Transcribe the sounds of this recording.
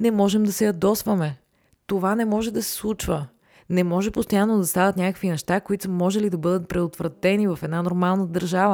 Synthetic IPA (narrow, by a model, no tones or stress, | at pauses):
nɛmɔʒɛmd̪ɐsɛjɐd̪ɔsvɐmɛ | t̪ovanɛmɔʒɛd̪ɐsɛ̥slˠut͡ʃvə | nɛmɔʒɛpost̪ojanːod̪ɐst̪avɐt̪nʲakəkvinɛʃt̪akoit̪smɔʒɛlid̪ɐbɤd̪ət̪̚pɾɛd̪ot̪vɾɐt̪ɛnivɐfɛd̪nanoɾmalˠnəd̪ɐɾʒavə